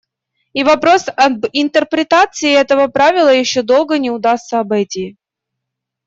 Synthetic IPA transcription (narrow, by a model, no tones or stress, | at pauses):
ivɐpɾo̞sɐbɪnt̪ərpɾʲɪt̪at̪sɨɪɛt̪əvəpɾavʲɪlˠəjɪɕːod̪o̞lˠɡənʲɪʊd̪ast̪səɐbɐjtʲi